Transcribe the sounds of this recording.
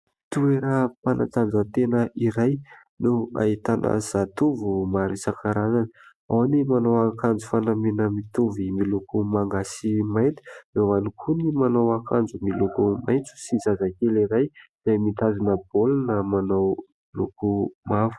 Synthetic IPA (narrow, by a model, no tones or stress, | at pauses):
t̪ueɾəpanʔa̰t̪and͡zət̪enəʔiɾaj | nua̰it̪anʔa̰zat̪uvumaɾisakaɾazani | a̰wanimanawakand͡zufanamenəmit̪uvimilukumaŋɡasimajnt̪i̥zewanikʰunimanawakand͡zumilukumajnt͡su̥sizazakeliɾajz̥ajmit̪azunəb̥olnəmanaw | lukumavu̥